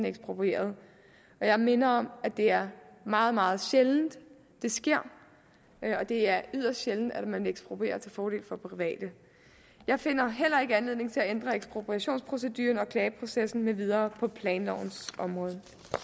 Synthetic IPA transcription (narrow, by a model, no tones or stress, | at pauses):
neɡ̥sb̥ʁopʰʁie̝̰ːɐð̞ˠ | ɒ̽jɑ̈ɪme̝nɐɒ̽mæd̥e̝æɐmɑ̈ːð̩ˠmɑ̈ːð̩ˠɕeln̩d̥ | d̥e̝sɡ̥e̝ɐ̰ | ɒ̽d̥e̝æɐyðˠɐsd̥ɕeln̩d̥æd̥mæneeɡ̥sb̥ʁopʰʁe̝̰ːɐt͡sʰe̝lfɒːɾe̝̰ːlfɒ̽pʰʁiʋɛ̰ːd̥ə | jɑ̈ɪfe̝n̰ɐɦel̰ɐe̝ɡ̥əænle̝ð̞̰ˠne̝ŋt͡sʰe̝læend̥ʁɐeɡ̥sb̥ʁopʰʁiæɕo̝̰ːnspʰʁo̝s̬ed̥y̰ːɐnɒ̽kʰlɛːpʰʁo̝sesn̩meʋið̞ˠɐːpʰɒ̽pʰlɛːnlɒ̰ʊ̰n̩sɒ̽mʁɔ̽ːð̞ˠ